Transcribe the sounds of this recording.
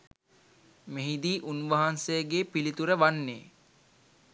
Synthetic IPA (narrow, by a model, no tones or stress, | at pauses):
meɦid̪iːʔunʋɐɦansejəɡeːpilit̪uɾəʋanːḛː